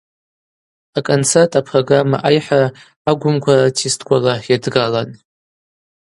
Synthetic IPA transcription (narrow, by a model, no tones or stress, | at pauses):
akʼont͡sʰertʼapʰroɡrama̰ʔajħara | aɡʷʊmkʷʰaratʰistʰkʷʰʼalajadɡalan